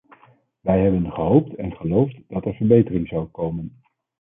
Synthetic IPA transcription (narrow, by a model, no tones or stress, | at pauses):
ʋɛjɦɛbənχəɦowp̚tɛnχəlowftd̥ɑtɛɹvəɹbejtərɪŋzɑwkowmən